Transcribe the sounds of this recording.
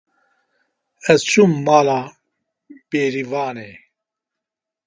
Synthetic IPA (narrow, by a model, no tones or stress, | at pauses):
ɛzt͡ʃʰumːaːla | b̥eːɾivaːnɛ